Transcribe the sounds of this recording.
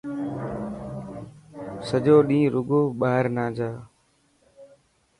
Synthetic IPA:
səd͡ʒoːɗĩːɾʊɡoːɓaːɦɪɾnãːd͡ʒaː

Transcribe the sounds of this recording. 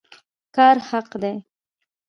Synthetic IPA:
kɑɾhaqd̪e

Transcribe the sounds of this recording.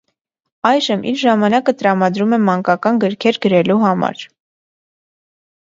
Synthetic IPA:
ɑjʒəmʔḭɾʒɑmɑnɑkət̪əɾɑmɑd̪ɾumɛmɑŋkɑkɑnɡəɾkʰɛɾɡəɾɛluɦɑmɑ̰ɾ

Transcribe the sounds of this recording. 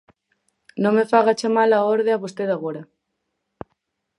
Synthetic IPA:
nõŋmefaɣat͡ʃamalaoɾðeaβost̪eðaɣ̞oɾa

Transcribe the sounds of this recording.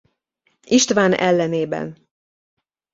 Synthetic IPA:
iʃt̪vaːnɛlːɛneːbɛ̰n

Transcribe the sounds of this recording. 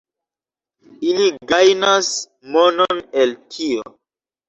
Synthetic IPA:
iliɡajnas | mononeltʰio̰

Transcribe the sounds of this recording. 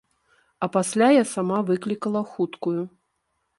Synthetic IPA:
ɐpasʲlʲajasamavɨklʲikɐlˠɐxut̪kuju

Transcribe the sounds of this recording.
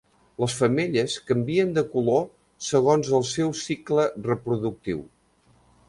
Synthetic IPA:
ləsfəmeʎəskəmbiənd̪əkulo | səɣ̞onzəlˠsɛwsiklərəpɾuðuk̚t̪ḭw

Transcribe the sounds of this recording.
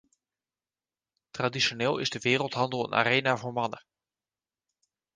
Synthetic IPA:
tradisjoneːlˠɪ̰zdəʋɪːrəlˠtɦɑndəlˠə̰na̰reːnavoɹmɑnə

